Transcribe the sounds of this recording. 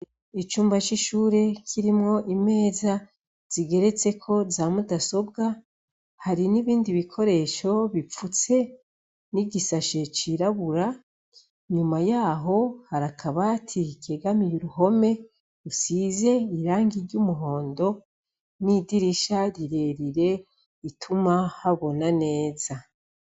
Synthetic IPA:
it͡ʃuːmbat͡ʃiʃuːɾe̞kʰiɾimŋo̞ʔime̞ːza | z̥iɡe̞ɾe̞t͡se̞kʰo̞zaːmudaso̞b̚ɡa | haɾiniβiːndiβikʰo̞ɾe̞ʃo̞βip͡fut͡se̞ | niɟisaʃe̞t͡ʃiɾaβuɾa | ɲumajaːɦo̞haɾakʰaβatʰikeɡamijuɾuho̞me̞ | usize̞iɾaːŋɡiɾɟumuɦo̞ːndo̞ | nidiɾiʃaɾiɾe̞ɾiɾe̞ | itʰumahaβo̞nane̞ːza

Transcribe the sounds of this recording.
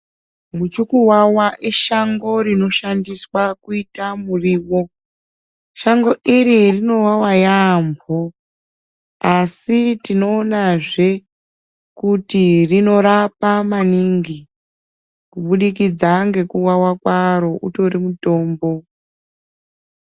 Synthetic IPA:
mut͡ʃukuwawaʔiʃaŋɡo̞ɾino̞ʃandiswakuitamuriːwo̞ | ʃaŋɡo̞ʔiɾirino̞wawajaːmbo | asitino̞ːnaʐe̞ | kutirino̞ɾapamaniŋɡi | kuɓuɗik̬id͡zaŋɡe̞kuwawakwaɾo̞ʔuto̞ɾimuto̞ːmbo̞

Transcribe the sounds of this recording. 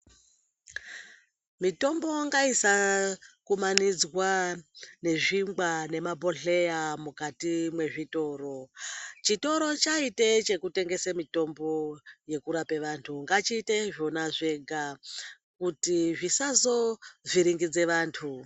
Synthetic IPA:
mito̞mbo̞ŋɡaisakumanid͡zwa | ne̞ʐimɡane̞mabʱo̞ɬe̞jamukatimwe̞ʐito̞ːro̞t͡ʃito̞ɾo̞t͡ʃaitet͡ʃe̞kute̞ŋɡe̞samito̞mbo̞je̞kuɾape̞ʋantʰuŋɡat͡ʃiːteʐo̞naʐe̞ɡʱa | kutiʐisazo̞ʐiɾiŋɡid͡ze̞ʋaːntʰu

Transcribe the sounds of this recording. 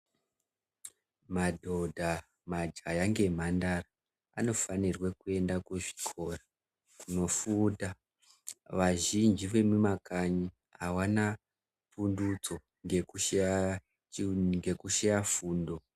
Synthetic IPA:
madʱo̞dʱa | mad͡ʒajaŋɡe̞m̤andara | ano̞fanirwekue̞ndakuʐi̥kʰo̞ːra | kuno̞fuːta | ʋaʒind͡ʒiʋe̞mumakaɲi | ɦawana | pundut͡so̞ | ɡe | ŋɡe̞kuʃejafuːndo̞

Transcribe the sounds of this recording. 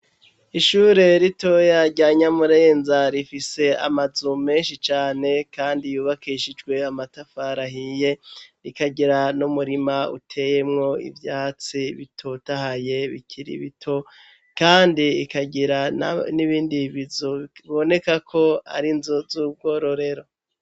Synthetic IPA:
iʃuɾe̞ɾito̞jaɟaːɲamuɾe̞ːnzaɾifise̞a̰mazume̞ːnʃit͡ʃaːne̞kaːndijuːβakiʃid͡ʒɡwe̞amatafaɾaɦije̞ɾikaɟiɾanumuɾimaṵtʰe̞je̞mŋo̞ḭvjaːt͡siβḭtʰo̞tahaje̞βḭkʰiɾḭβitʰo̞ | kaːndiːkaɟiɾana̰niβiːndiβizuiβo̞ne̞kakʰo̞a̰ɾinzuzuːb̚ɡo̞ɾo̞ɾe̞ɾo̞

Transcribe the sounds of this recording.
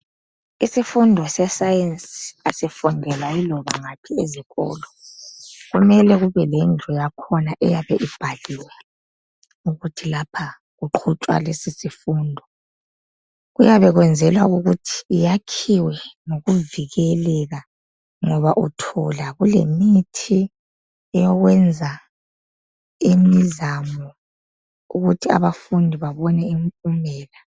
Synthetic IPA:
isifundʱɔsɛsajensiasɛfundʱɛlailɔβa̰ŋapʰieziɣɔ̰ːlɔ | ɣumɛlɛɣuβɛlɛnd͡ɮʱɔjakʰɔnaʔɛjaβɛʔib̥ʱaliwɛ | uɣutʰilapʰa | ɣuǃʰut͡ʃʼwa̰lesisifundʱɔ | ɣujaβɛɣwɛnd͡zʱɛlwauɣutʰi̥ːjakʰiwɛnoɣuviɣɛlɛɣa | ŋɔβaʔutʰɔlaɣulḛmitʰi | ɛjɔɣwɛnd͡zʱa | imizamɔ | uɣutʰia̰βafundʱiβaβɔnɛiɱpʼumɛːla

